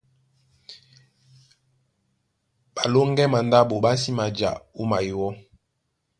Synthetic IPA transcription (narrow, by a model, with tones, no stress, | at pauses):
ba˨lo˦ŋɡɛ˦ma˨nda˦bo˨ba˦si˦ma˨d͡ʒa̰˨o˦ma˨ji˨wɔ˦